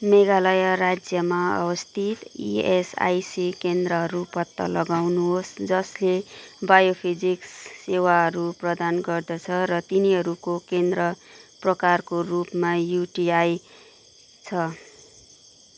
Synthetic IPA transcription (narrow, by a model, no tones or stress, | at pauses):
meɡalʌjʌɾad͡zjʌmaʌ̰wʌst̪ʰit̪ḭesa̰jsikend̪rʌɦʌɾupʌt̪ːʌ̰lʌɡawnuɦosd͡zʌslebajopʰid͡ziksːewaɦʌɾuprʌd̪anɡʌrd̪ʌt͡sʰʌɾʌt̪iniɦʌɾukokend̪rʌprʌkarkorupmajuʈiaj | t͡sʰʌ